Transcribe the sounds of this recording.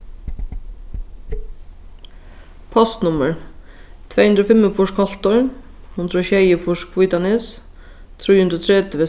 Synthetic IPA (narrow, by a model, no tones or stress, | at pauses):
pʰɔst̪nʊməɹ | t̪ʰvɛjhʉnd̪ɾɔːfɪmːəfʊʂkhɔl̥t̪ɔɹ | hʉnd̪ɾɔːɕɛjəfʊʂkʰvujt̪anɪs | t̪ʰɾiːhʉnɾɔt̪ʰɾɛt̪əʋɛ